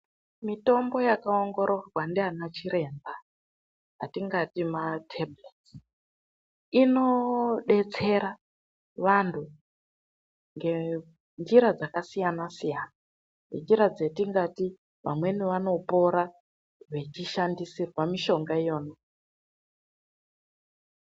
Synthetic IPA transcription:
mito̞mbo̞jakaoŋɡo̞ɾʔoraɡwandianat͡ʃiɾe̞nba | ɦatiŋɡatimatʰeblet | ino̞ɗe̞t͡se̞ɾa | ʋantʰu | ŋɡe̞ | nd͡ʒiɾad͡zakasijanasijana | nend͡ʒiɾad͡ze̞tiŋɡati | ʋa̰mwe̞niʋano̞po̞ɾa | ʋe̞t͡ʃiʃandisirwamiʃo̞ŋɡaijo̞ːno

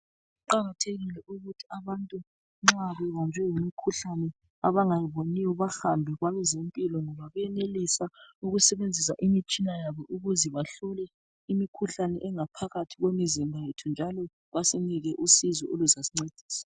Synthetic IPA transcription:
uǃaŋatʰeɣilɛʔuɣutʰi̥aβantʼu | ŋ͡ǁaβɛɣɔnd͡ʒʱɛjumikʰuɬanɛ | a̰βaŋajiβonijɔβaxambʱɛɣwaβɛzempʼilɔŋɔβaβɛjɛnelisauɣusɛβend͡zʱisa̰ʔimit͡ʃʼinajaβɔʔuɣuzɛβaɬɔlɛ | imikʰuɬanɛʔɛŋapʰaɣatʰiɣwemizimbʱajetʰund͡ʒʱalɔ | βasiniɣɛʔusizɔʔoluzasiŋ͡ǀed̥ʱiːsḁ

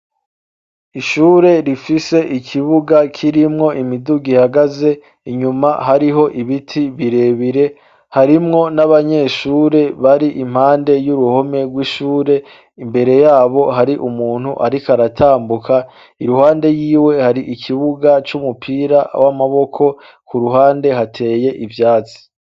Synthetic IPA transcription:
iʃuːɾe̞ɾifise̞ʔikʰiβuɡakʰiɾimŋo̞ʔimiduɡihaɡaze̞ | iɲumaɦaɾiɦo̞ʔiβitʰiβiɾe̞βiɾe̞ | haɾimŋo̞naβaɲe̞ʃuːɾe̞βaɾiʔim̥haːnde̞juɾuho̞me̞ɡwiʃuːɾe̞ | imbe̞ɾe̞jaːβo̞ɦaɾiʔumuːn̥huʔaɾikaɾatʰaːmbukʰa | iɾuhaːnde̞jiːwe̞haɾiʔikʰiβuɡat͡ʃumupʰiːɾawamaβo̞kʰo̞ | kuɾuɦaːnde̞ɦatʰe̞ːje̞ʔivjaːt͡si̥

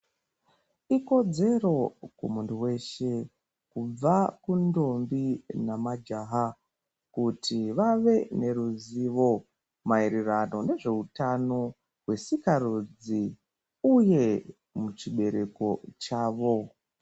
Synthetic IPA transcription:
iko̞d͡ze̞ro̞kwomuntʰuwe̞ʃe̞ | kub͡vakundo̞mbinamad͡ʒaɦa | kutʰiʋaʋe̞ne̞ɾuziʋo̞ | maiɾirano̞ne̞ʐe̞utano̞ | ɦwe̞sikaɾud͡zi | uje̞ | mut͡ʃiɓe̞ɾe̞ko̞t͡ʃaːʋo̞

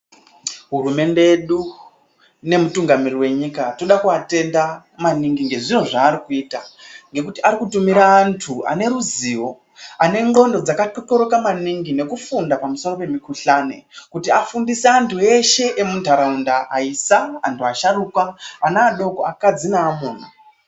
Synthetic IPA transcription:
ɦurume̞nde̞eɗu | ne̞mutuŋɡamiriwe̞ɲikato̞ɗakuate̞nda | maniŋɡiŋɡe̞ʐinoʐaːɾikuiːtaŋɡe̞kutiʔaɾikutumiɾaːntʰua̰ne̞ruziːwo̞ | ane̞ŋɡo̞ndo̞d͡zakatoto̞ɾo̞kamaniŋɡine̞kufundapamuso̞ro̞pe̞mikuɬanḛkutiafundiseantue̞ʃe̞ʔemuntʰaɾaundaʔaisaa̰ntʰuaʃaɾukwaanaːɗo̞ko̰akad͡zinaːmuːn̤a

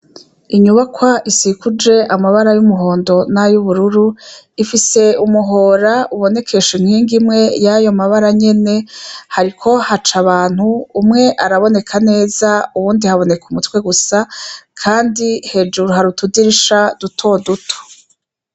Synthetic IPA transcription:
iɲuβakʰwaʔisikud͡ʒe̞ʔamaβaɾajumuɦo̞ːndo̞najuβuɾuɾu | ifise̞umuɦo̞ːɾauβo̞ne̞kʰe̞ʃiŋhiːŋɡimŋe̞jajo̞maβaɾaɲe̞ne̞haɾikʰo̞hat͡ʃaβaːn̥huːmŋe̞ʔaɾaβo̞ne̞kʰane̞ːzauβuːndihaβo̞ne̞kumutwe̞ɡusakʰaːndihe̞d͡ʒuɾuɦaɾutudiɾiʃadutʰo̞dutʰo̥

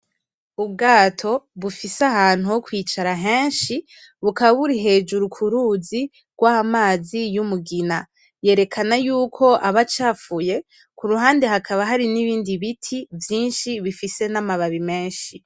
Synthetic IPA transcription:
ub̚ɡaːtʰo̞βufisaɦaːn̥huhokwiːt͡ʃaɾaɦe̞ːnʃi | βukaβaβuɾiɦe̞ːd͡ʒuɾukʰuɾuːzi | ɡ̥wahamaːzijumuɡina | je̞ːɾe̞kʰanajuːkʰo̞ʔaβat͡ʃaːfuje̞ | kuɾuɦaːndeɦakʰaβaɦaɾiniβiːndiβitʰivjiːnʃiβifise̞namaβaβime̞ːnʃi

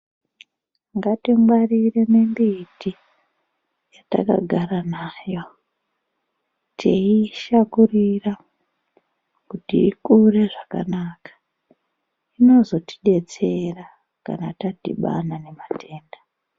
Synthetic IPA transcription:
ŋɡatimwarire̞ne̞mbiti | jata̰ka̰ɡʱaɾanajo̞ | tʰeiʃakurira | kutḭːkure̞ʐaka̰naːkḁ | ino̞zo̞ti̥ɗe̞t͡se̞ra | ka̰natatḭɓa̰nane̞matʰe̞ːnda

